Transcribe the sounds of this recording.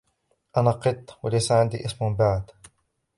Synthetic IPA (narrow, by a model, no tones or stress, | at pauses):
ʔanaqɨt̪ˤːwalajsaʕɪnd̪iːʔɪsmʊbaʕd̪